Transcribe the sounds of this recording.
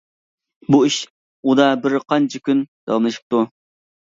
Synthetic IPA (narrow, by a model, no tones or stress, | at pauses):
buiʃ | ud̪ɑbɪɾqʰɑnt͡ʃʰikʲynd̪̥ɑ̰wɑmlˠɨʃɨ̥p̚t̪u